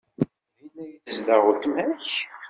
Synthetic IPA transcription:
æjənːæjiθəzdəʁʊɾt̪mæç

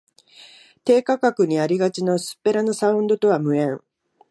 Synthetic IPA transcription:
t̪e̞ːkakakɯ̟ɲ̟iaɾʲiɡat͡ɕino̞sɨ̥pːe̞ɾano̞saɯ̟̃nd̪o̞t̪o̞βamɯ̟ẽ̞ŋ

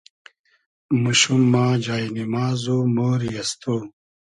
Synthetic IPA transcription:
muɕumːaːd͡ʑaːinimaːzomoːɾijɐst̪ʰoː

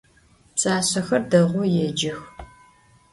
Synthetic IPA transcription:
pt͡sʼaːɕɐxɐrdɐʁʷʊjɛd͡ʒɪx

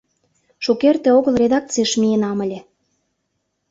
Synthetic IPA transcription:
ʃukert̪ĕoɣəlˠrʲed̪ɑk̚t͡siʃmienɑmə̆lʲĕ

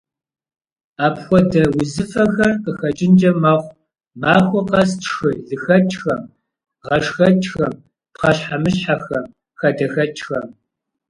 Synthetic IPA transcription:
aːpxʷɔdɐwʊzɨfɐxɐrqəxɐt͡ʃʼɪnd͡ʒɐmaːχʷ | maːxʷɔqɐstxɨɮɨxɐt͡ʃʼxɐm | ʁɐʂxɐt͡ʃʰʼxɐm | pχɐɕħamɨɕħaxɐm | xɐdɐxɐt͡ʃʰʼxɐm

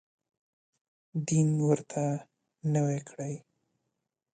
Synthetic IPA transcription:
d̪inwəɾt̪ʰa | nəwekʰɽaj

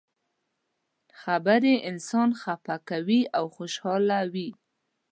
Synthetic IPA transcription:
xabaɾeʔɪnsɑnxapakawiawxoʃhɑlawi

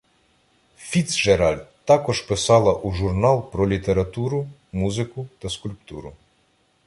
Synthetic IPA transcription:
fʲit̪sʒeɾɑlʲt̪ɑkɔʒpɪsɑlˠɐʔuʒurnɑlˠpɾɔlʲit̪eɾɐt̪uɾʊmuzɪkʊt̪ɐskʊlʲpt̪uɾʊ̰

